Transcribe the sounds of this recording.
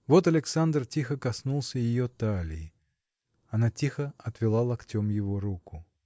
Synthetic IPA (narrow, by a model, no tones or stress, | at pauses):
vo̞t̪ɐlʲɪksand̪rtʲixəkɐsnulˠsʲəjɪjot̪alʲɪ̰ɪ | ɐnatʲixəɐt̪vʲɪlˠalˠɐktʲo̞mjɪvo̞ɾukʊ